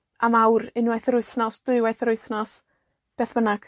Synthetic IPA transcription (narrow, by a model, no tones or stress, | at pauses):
amawrɪnwaθɾʊɨθnɔsd̥ʊɨwɛjθɾʊɨθnɔs | b̥eːθb̥ənaɡ̥